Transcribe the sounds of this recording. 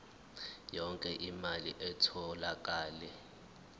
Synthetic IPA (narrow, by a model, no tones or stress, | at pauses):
jɔŋkʼɛʔimalḭʔɛtʰɔlak̬ʼaːlɛ